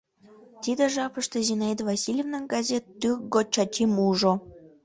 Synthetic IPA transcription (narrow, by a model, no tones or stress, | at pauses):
t̪id̪eʒɑpəʃt̪ezʲinɑid̪vɑsʲilʲevnəŋɡɑzʲet̪ːykɡot͡ɕɑt͡ɕimuʒo